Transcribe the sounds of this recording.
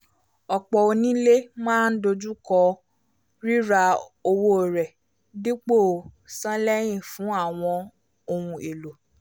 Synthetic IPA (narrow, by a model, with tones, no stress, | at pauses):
ɔ˨k͡pɔ˨o˧nĩ˦le˦mãː˦n̩˦do˧d͡ʒu˦kɔ˧ | ɾi˦ɾa˧o˧wo˦˨ɾɛ˨ | di˦k͡po˦˨sã˦lɛ˦j̃ĩ˦˨fũ˨˦a˦˨w̃ɔ̃˧ | o˧hũ˧e˨lo˨